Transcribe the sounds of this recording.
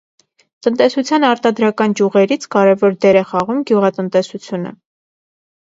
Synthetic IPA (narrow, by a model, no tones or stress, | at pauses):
t̪ənt̪ɛsut͡sʰjɑnɑɾt̪ɑd̪ɾɑkɑnd͡ʒjuʁɛɾit͡sʰkɑɾɛvɔɾd̪ɛɾɛχɑʁumɡjuʁɑt̪ənt̪ɛsut͡sʰjunə̰